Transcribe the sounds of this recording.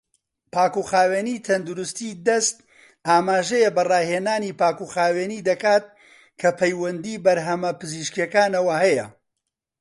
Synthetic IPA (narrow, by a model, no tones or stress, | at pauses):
paːkuxaːweːnit̪ʰɐnd̪uɾʊst̪iːd̪ɐst̪̚ | ʔaːmaːʒɛjebɐrɑːheːnaːniːpaːkuxaːweːniːd̪ɐkaːt̪̚ | kʰɐpʰɐjwɐnd̪iːbɐɾɦɐmɐpɨziːʃkijɐkaːnɐwɐhɐjɐ̰